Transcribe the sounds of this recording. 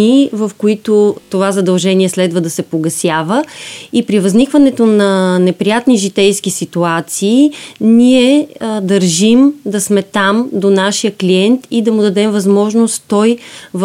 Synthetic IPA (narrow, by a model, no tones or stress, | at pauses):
ivəfkoit̪ot̪ovazɐd̪ɐlˠʒɛniɛslɛd̪vəd̪ɐsɛpoɡɐsjavəipɾivəznikvənɛt̪onɐnɛpɾijat̪niʒit̪ɛjsk̟isit̪uat̪siːniɛd̪əɾʒimd̪ɐsmɛt̪amd̪onaʃijəkliɛnt̪id̪ɐmud̪ɐd̪ɛmvɐzmɔʒnost̪t̪ɔjv